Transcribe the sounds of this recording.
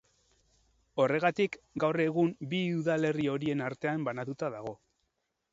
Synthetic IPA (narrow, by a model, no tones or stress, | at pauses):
o̞re̞ɣat̪ikɡawre̞ɣ̞umbiuðale̞rio̞ɾie̞naɾt̪e̞ambanat̪ut̪aðaɣ̞o̞